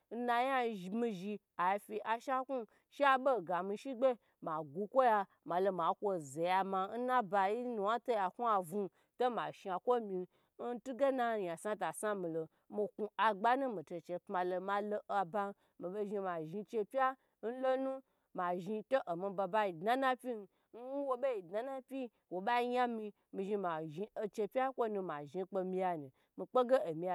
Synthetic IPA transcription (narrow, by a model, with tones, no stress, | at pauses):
n̩˦na˧ja˦˨mĩ˧ʒi˧ | a˨ji˧fʲi˧ʔa˨ʃa˦ku˦ | ʃi˦a˧bo˦˨ɡa˨mi˧ʃi˦ɡ͡be˦ | ma˨ɡu˧kʷo˦ja˧ | ma˨lo˧ma˨kʷo˧ze˨ja˧ma˧n̩˦nã˦ba˧ji˦nu˨˧wa˦to˦ja˨ku˦a˧vu˧ | to˦ma˨ʃi˧a˨kʷo˦mĩ˧ | n̩˦tu˦ɡe˦na˧˨ja˨sa˧ta˨sa˦mĩ˨lo˨ | mi˧ku˧a˧ɡ͡ba˦nũ˦mi˨to˧˨t͡ʃe˧pma˧lo˧ma˧lo˧ʔa˨ba˧˦ | mi˨be˧ʒi˧ma˨ʒi˧t͡ʃe˧pʲa˦ | n̩˦lo˦nũ˦ | ma˨ʒi˧to˦ʔo˨mi˧ba˧ba˧˦ji˧dna˦na˦pʲi˦n̩˧ | n̩˦wo˧be˦i˨dna˨na˦pʲi˦ | wo˨ɓa˦i˦˧ɲa˦mi˧ | mĩ˧ʒi˧ma˨ʒi˧o˧t͡ʃe˧pʲa˦kʷo˦nũ˧ma˨ʒi˧k͡po˧mĩ˧ja˧ni˨ | mi˧k͡po˦ɡe˦o˨mi˧a˨